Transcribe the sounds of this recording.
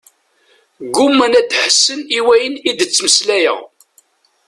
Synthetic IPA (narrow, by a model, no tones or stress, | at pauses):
ɡʊmːənæd̪ħəsːəniwæjənid̪ət͡sːməslæjə̰ʁ